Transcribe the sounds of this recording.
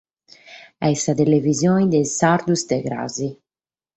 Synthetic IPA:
ɛsat̪elevizjɔɲd̪ɛsaɾd̪ust̪eɡɾa̰zi

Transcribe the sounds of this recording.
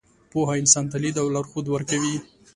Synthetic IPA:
poɦaɪnsɑnt̪alid̪awlaɾxod̪wəɾkawi

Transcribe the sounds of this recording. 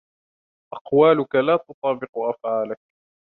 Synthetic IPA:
ʔɑqwaːlʊkalaːt̪ʊt̪ˤɑːbɪqʊʔafʕaːlak̚

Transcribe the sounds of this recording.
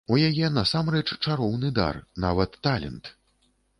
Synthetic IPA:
ujajɛnɐsamrɛt͡ʂt͡ʂaɾɔwnɨd̪a̰rna̰vɐt̪ːalʲɛ̰nt̪

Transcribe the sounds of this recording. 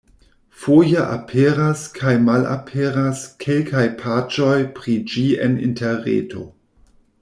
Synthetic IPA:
fojaʔapʰeɾaskʰajmala̰pʰeɾaskʰe̞lkʰajpʰat͡ʃo̞jpɾid͡ʒiḛnḭnteɾḛtʰo̞̰

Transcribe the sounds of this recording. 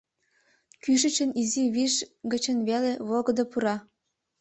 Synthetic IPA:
kyʃə̆t͡ɕə̆niziβiʃɡə̆t͡ɕə̆nβeleβolɡɤ̆d̪ŏpuɾɑ

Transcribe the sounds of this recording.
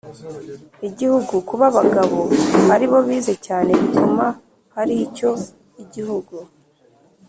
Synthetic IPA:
iɟihuɡukuβaβaɡaβo̞haɾiβo̞βiːze̞caːne̞βit̪uma | haɾico̞ | iɟihuɡu

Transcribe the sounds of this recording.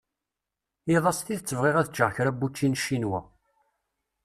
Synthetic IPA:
iðˤɑsθiðət͡sːəvʁeʁæðət͡ʃːəʁçɾæbːut͡ʃːinʃːinwæ̰

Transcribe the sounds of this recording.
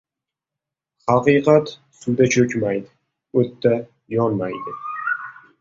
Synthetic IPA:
hɑqɨqʰɑt̪ | sʊwd̪at͡ʃʰɵkʲmajd̪ɪ | ɵt̪ʰːa | jɒnmajd̪ɪ

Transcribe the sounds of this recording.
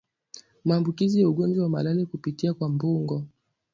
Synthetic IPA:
maːmbukizijauɠɔnd͡ʒwawama̰lalikupitiakwambuŋɡɔ

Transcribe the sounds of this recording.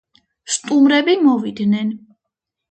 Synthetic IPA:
st̪ʼumɾɛbimɔvid̪nɛn

